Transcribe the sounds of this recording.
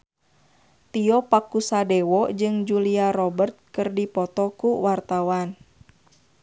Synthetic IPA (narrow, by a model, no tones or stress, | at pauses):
t̪iɔpakusadɛwɔd͡ʒɨŋd͡ʒuliaɾɔbərt̪̚kɨrdipɔt̪ɔkuwart̪awan